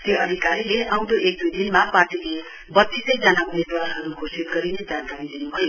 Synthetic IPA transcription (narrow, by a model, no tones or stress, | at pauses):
t̪joʌd̪ʱikaɾileʔawd̪oʔek̚d̪ud̪inmaparʈile | bʌt̪ːisʌjd͡zanaumed̪waɾɦʌɾukʰosit̪ɡʌɾinʌd͡zankaɾid̪inubʱʌjo